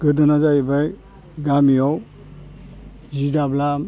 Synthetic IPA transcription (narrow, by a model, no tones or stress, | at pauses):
ɡɯdɯnazaibaj | ɡamijɔw | zidablam